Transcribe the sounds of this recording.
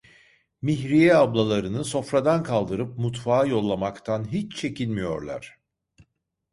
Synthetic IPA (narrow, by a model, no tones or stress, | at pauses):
miçɾijɛablˠalˠaɾɯnɯso̞fɾad̪ankʰalˠd̪ɯɾɯp̚mut̪faːjo̞lˠːamakt̪ʰanɦit͡ʃt͡ʃʰe̞cʰilʲmijo̞̰ɾlˠa̰ɾ̝̥